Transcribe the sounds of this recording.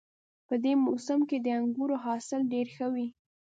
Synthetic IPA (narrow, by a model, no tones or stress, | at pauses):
pəd̪emosamked̪əaŋɡuɾoɦɑsɪlɖeɾxəwi